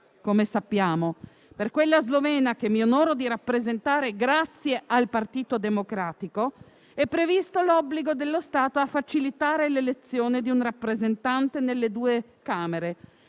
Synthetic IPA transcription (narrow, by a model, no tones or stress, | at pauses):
komesapːjaːmo | perkwelːazlovɛːnakemːionɔːɾod̪iɾapːɾezent̪aːɾeɡɾat̪sːjeʔalpart̪iːt̪od̪emokɾaːt̪iko | ɛpːɾevist̪olɔbːliɡod̪elːost̪aːt̪oafːat͡ʃilit̪aːɾelelet̪sːjoːned̪iunrapːɾezent̪ant̪enelːed̪uːe | kaːmeɾe